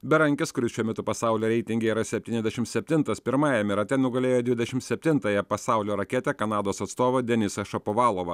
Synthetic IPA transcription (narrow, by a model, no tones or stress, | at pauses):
bʲɛɾɐŋʲkʲɪskʊɾʲɪsʃʲuːmʲɛt̪ʊpɐsɑˑʊlʲoːɾʲɛɪt̪ʲɪŋʲɡʲeiːɾɐsʲɛpʲt̪ʲiːnʲɛzʲd̪ʲɛʃʲɪmt̪sʲɛpʲt̪ʲɪnt̪ɐspʲɪɾmɑːjɛmʲɪɾɐt̪ʲɛnʊɡɐlʲeːjoːd̪ʋʲɪd̪ʲɛʃʲɪmt̪sʲɛpʲt̪ʲɪnt̪ɐjɛpɐsɑˑʊlʲoːɾɐkʲeːt̪ʲɛkɐnɑːd̪oːsɐt̪st̪oːʋɐd̪ʲɛnʲɪsɐʃɐpoʋɑːlˠoːʋɐ